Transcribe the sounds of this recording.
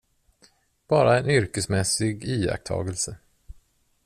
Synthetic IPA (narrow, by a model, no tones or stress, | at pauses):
b̥ɑːɾaɛnʏɾkəsmɛsɪɡiːa̰k̚t̪ʰɑ̰ːɡəlsə